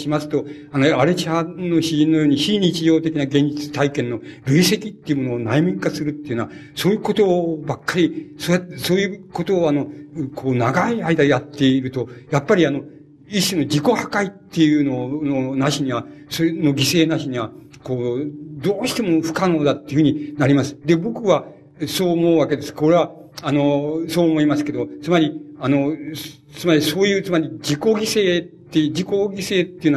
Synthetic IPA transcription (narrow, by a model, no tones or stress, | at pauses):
ɕimasɨ̥t̪o̞ | anoaɾet͡ɕano̞ɕiʑĩnːo̞joːɲ̟içiɲ̟it͡ɕiʑo̞ːt̪e̞kʲinaɡẽ̞ɲ̟d͡ʑit͡sɨ̥t̪aikẽ̞nːo̞ɾɯ̟ise̞kʲit̪ːe̞iɯmo̞no̞ːnaimĩŋkasɨɾɯ̟t̪ːeiɯ̟noβa | so̞ːjɯ̟ːko̞t̪o̞ːbakːaɾʲisoaso̞ːjɯ̟ːko̞t̪o̞ːano̞kʰo̞ːnaɡaiaid̪ajat̪ːe̞iɾɯ̟t̪o̞japːaɾʲiano̞ | iɕino̞d͡ʑiko̞hakait̪ːe̞jɯnononaɕiɲ̟iβa | sono̞ɡʲise̞ːnaɕiɲ̟iβa | koːd̪o̞ːɕi̥t̪e̞mo̞ɸɯ̥kano̞ːd̪at̪ːeɨɯ̟inaɾʲimasɨ̥d̪e̞bo̞kɯ̟βa | so̞ːmo̞ɯβake̞d̪e̞sɨ̥ko̞ɾe̞βaano̞so̞ːmo̞imasɨ̥ke̞d̪ot͡sɨmaɾʲiano̞ | t͡sɨmaɾʲiso̞ːjɯ̟ːt͡sɨmaɾʲid͡ʑiko̞ɡʲise̞ːt̪ːed͡ʑiko̞ɡʲise̞ːt̪ːeiɯ̟n